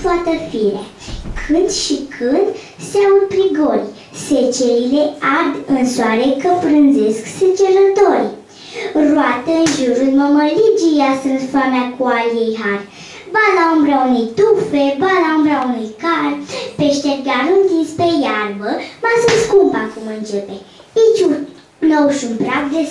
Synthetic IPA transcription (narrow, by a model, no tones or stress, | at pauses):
t̪oat̪əfiɾḛ | kʰɨnd̪ʃikʰɨnd̪ | seaud̪̚pɾiɡo̞lʲ | set͡ʃeɾileadɨnsoaɾekəpɾɨnze̞skset͡ʃeɾət̪o̞rʲ | rwat̪əɨnʒuɾuməməlid͡ʒijasəɨnt̪fameakualjejɦar | banaumbɾauniejt̪ufebanaumbɾaunijkarpeʃt̪et̪ɡaɾɨnt̪inspejarbəmasəskumpakumɨnt͡ʃepe | it͡ʃu | nowʃunpɾakd̪e